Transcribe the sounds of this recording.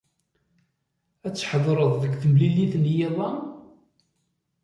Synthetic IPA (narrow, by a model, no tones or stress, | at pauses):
æt͡sːħðɾˤəðˤðəkːθəmliliθnjeðˤɑ